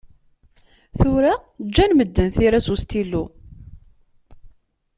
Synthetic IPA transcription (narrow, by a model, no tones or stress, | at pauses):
θʊɾad͡ʒːænməd̪ːənθiɾæsust̪ilu